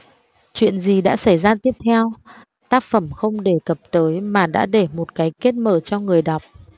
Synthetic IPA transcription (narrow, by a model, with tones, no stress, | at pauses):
t͡ɕwḭ˧˨ənzi˨˩ɗa̰ː˧˥sa˧˩jzaː˧t̪i˦˥əp̚t̪ʰɛ˧w | t̪aː˦˥k̚fə˧˩mxə˧wŋ͡mɗe˧˩kə˨˩p̚t̪əː˨˦jmaː˨˩ɗa̰ː˧˥ɗe˧˩mo˨˩t̚kaː˨˦jke˦˥t̚məː˧˩t͡ɕɔ˧ŋɨ˨˩əjɗa˨˩wk͡p̚